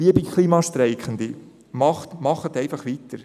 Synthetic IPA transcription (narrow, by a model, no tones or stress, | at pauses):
iəbikʰliːmɑʃtɾɛɪkχənd̪i | mɑχtmɑχət̪ɛɪfɑχʋit̪əɾ